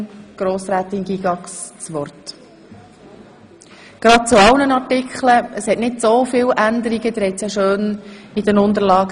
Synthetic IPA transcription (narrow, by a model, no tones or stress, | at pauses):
ɡ̥ɾoːsɾæːt̪ɪnɡiɡɑkst͡sʋɔɾt | ɡ̥ɾɑd̥̚t͡suɑlnənɑɾtɪkʰχləəshɛtnɪtsoːfɪːlʔænd̪əɾiɡəd̪ɾɛt͡saʃøːnid̥ɛnʊnt̪əɾlɑːɡ